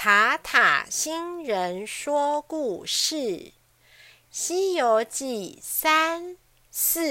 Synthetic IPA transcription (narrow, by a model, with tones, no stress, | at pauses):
t̪ʰa˧˥t̪ʰa̰˨˩ɕi˥nɻə˧˦nʂwɔ˥ku˥˧ʂɻ̩˥˩ | ɕi˥jo˧˥ʊt͡ɕi˥˩sa˥n | s̩˥˩˨